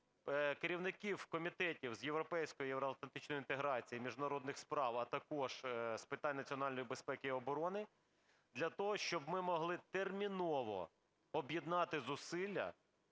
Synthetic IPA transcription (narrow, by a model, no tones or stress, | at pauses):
keɾʲiwnɪkʲiwkɔmʲit̪ɛtʲiwzjewɾɔpɛjsʲkɔjʊjeʋɾɔɐlt̪lɐnt̪ɪt͡ʃnɔjint̪eɦɾɑt͡sʲijimʲiʒnɐɾɔd̪nɪxspɾɑwɐt̪ɐkɔʒspɪt̪ɑnʲnɐt͡sʲiɔnɑlʲnɔjibespɛkɪɔbɔɾɔnɪ | d̪lʲɐt̪ɔɦɔʃt͡ʃɔbmɪmɔɦlˠɪt̪ermʲinɔʋɔ̰ | ɔbjid̪nɑt̪ɪzʊsɪlʲːɐ̰